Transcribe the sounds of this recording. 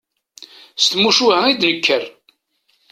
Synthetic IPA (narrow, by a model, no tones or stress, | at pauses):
st̪muʃuhəŋid̪nəkʰːər